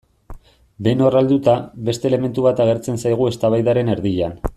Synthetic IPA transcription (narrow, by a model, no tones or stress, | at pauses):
be̞no̞rald̪ut̪aβe̞st̪e̞ːle̞me̞nt̪uβat̪aɣ̞e̞ɾt͡se̞nsajɣ̞ue̞st̪aβajðaɾe̞ne̞ɾðiʎan